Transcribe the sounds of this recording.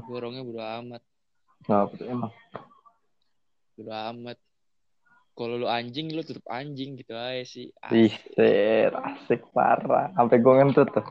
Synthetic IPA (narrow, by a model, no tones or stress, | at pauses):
ɡoɾɔŋɲabudoamat̪̚ | ŋapət̪uema | budoamat̪̚ | kaloloaɲd͡ʒɪŋlot̪ət̪əp̚a̰ɲd͡ʒɪŋɡit̪uajasɪa̰ihsɛɾa̰sɪk̚pa̰ɾa̰ːmpɛɡoŋənt̪ut̪ʊh